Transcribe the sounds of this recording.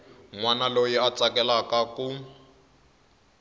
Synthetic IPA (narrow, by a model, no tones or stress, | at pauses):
ŋwanalojiat͡sʼakʼɛlakaku